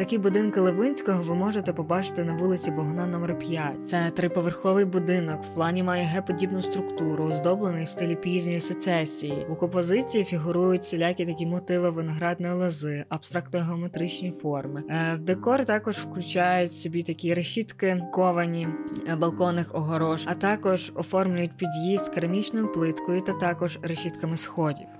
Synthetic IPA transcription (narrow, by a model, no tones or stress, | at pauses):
t̪ɐkʲibʊd̪ɪnkɐlˠeʋɪnʲsʲkɔɦɔʋɪmɔʒet̪ɛpɔbɑt͡ʃɪ̥t̪ɪnɐʋulˠɪt͡sʲibɔɦnɑnɔmɛrpʲjat̚ʲt̪sɛt̪ɾɪpɔʋerxɔʋɪjbʊd̪ɪnɔkw̥plˠɑnʲimɑjɛɦɛpɔdʲibnʊst̪ɾʊkt̪uɾʊɔzd̪ɔblˠenɪjwst̪ɪlʲipʲizʲnʲɔjiset̪sɛsʲijiukɔmpɔzɪt͡sʲijifʲiɦʊɾujʊtʲsʲelʲakʲit̪ɐkʲimɔt̪ɪʋɪʋɪnɔɦɾɑd̪̚nɔjilˠɐzɪɐb̥st̪ɾɑk̚t̪nɔɦeɔmet̪ɾɪt͡ʃnʲifɔrmɪd̪ekɔɾɪt̪ɑkɔʒwklʲʊt͡ʃɑjʊtʲsʲɔbʲit̪ɐkʲiɾeʃʲit̪kɪkɔʋɐnʲibɐlˠkɔnɪxɔɦɔɾɔʒɐt̪ɑkɔʒɔfɔrmlʲʊjʊtʲpʲid̪ʲjizt̪kɐɾɐmʲit͡ʃnɔjʊplˠɪt̪kɔjʊt̪ɐt̪ɑkɔʒɾeʃʲit̪kɐmɪsxɔdʲḭw